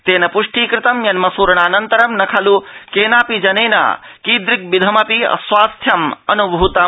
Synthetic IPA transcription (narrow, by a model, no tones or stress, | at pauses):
t̪eːnɐpuʂʈiːkɾɪt̪ɐmjɐnmɐsuːɾɐɳaːnɐnt̪ɐɾɐmnɐkʰɐlukeːnaːpid͡ʒɐneːnɐ̰kiːd̪ɾik̚bid̪ʱɐmɐpiɐ̰sʋaːst̪ʰjɐmɐnubʱut̪ɐ